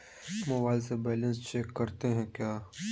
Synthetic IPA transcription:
mɐʋaːlsebɛːlə̃nst͡ʃɛkːɐɾt̪eɦɛ̃kjaː

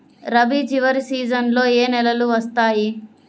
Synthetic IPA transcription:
ɾɐbid͡ʒiʋɐɾsiːd͡ʒɐnlo̞ːeːnɛlɐluʋɐst̪aːji

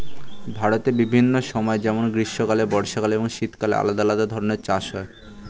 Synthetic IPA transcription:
bʱaɾot̪ebibʱinːoʃɔmɔed͡ʑɛmonɡɾiʃːokalebɔɾʃakaleboŋʃit̪kalḛa̰lad̪alad̪ad̪ʱɔɾoneɾt͡ɕaʃɦɔe

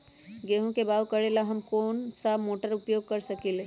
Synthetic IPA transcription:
ɡeːɦõkebaːwkɐɽelaɦɐmkoːnsamoːʈəɾʊpjoːɡ̚kɐɾsɐkiːle

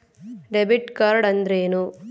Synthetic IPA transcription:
ɖebiʈkɐɾɽɐnd̪ɾeːnu

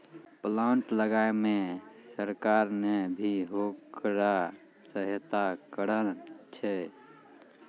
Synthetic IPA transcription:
plaɳʈləɡaemesəɾkaɾnebʱiɦokɾa | səɦjət̪akəɾənt͡ʃʰɛ

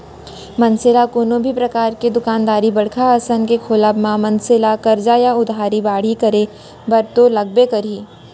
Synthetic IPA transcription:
mɐnsɪlakoːnõbʱipɾɐkaːɾked̪ʊkaːnd̪aːɾibɐɽ̤kʰaɐsənkekʰoːlabmãmɐnsɪlakɐɾd͡ʒajaʊd̪ʱaːɾibaːɽ̤ikɐɾe | bɐɾt̪olɐɡ̚bekɐɾiː

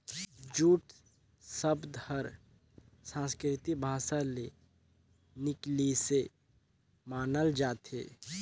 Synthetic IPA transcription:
d͡ʒuːʈ | səbd̪həɾ | sãːskɾɪt̪ibʱaːsale | nɪklise | maːnəld͡ʒaːt̪ḛː

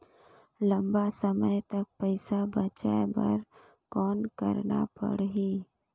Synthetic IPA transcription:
lə̃mbasəməjt̪ɐk̚pəɪsabət͡ʃa̰ebə̰ɾ | kɔːnkə̰ɾna̰pə̰ɽɦi

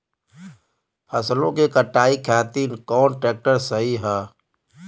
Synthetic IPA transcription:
pʰəslõkekəʈaːikʰjaːt̪iːnkɔːnʈɾɛːk̚ʈəɾsəɦiɦɛː

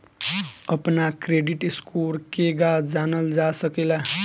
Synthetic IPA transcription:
ʌpnakɾeɖiʈiskuɾkeɡad͡zanʌld͡zasʌkela

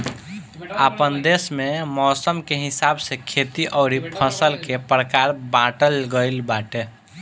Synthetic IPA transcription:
apənd̪esmemɔsəmkeɦisabsekʰet̪iʔəʊɾipʰəsəlkepɾəkaɾbãʈəlɡəɪlbaʈe

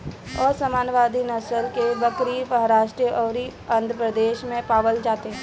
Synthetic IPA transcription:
ɔːɾsəmaːnʋaːd̪inɐsəlkebɐkɾimɐɦɾaːʃʈɾijəʔɔːɾiɐ̃nd̪ʱɾəpɾəd̪eːʃmẽpaːʋəld͡ʒaːt̪eɦɛ̃

